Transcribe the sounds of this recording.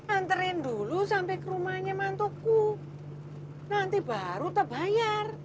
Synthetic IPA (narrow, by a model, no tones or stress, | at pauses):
ant̪əɾɪnd̪ulusampɛkəɾumaɲamant̪oku | nant̪ibaɾut̪əbajar